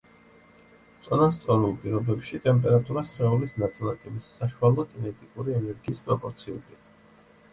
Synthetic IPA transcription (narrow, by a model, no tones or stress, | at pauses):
t̪sʼɔnas̬t̪sʼɔɾulˠpʼiɾɔbɛpʃit̪ʼɛmpʼɛɾat̪ʼuɾasχɛulisnat̪sʼilˠat̪ʼimisːaʃualˠɔt̪ʰʼinɛt̪ʼikʼuɾiɛnɛɾɡiːspʼɾɔpʼɔɾt̪sʰiulia